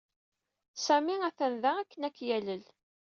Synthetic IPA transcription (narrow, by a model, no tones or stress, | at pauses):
sæmiæθənðæækːənækːjæləl